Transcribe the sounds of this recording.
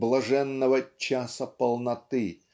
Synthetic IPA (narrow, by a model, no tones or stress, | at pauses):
blˠɐʐɛnːɐvɐt͡ʃasɐpɐlˠnɐt̪ɪ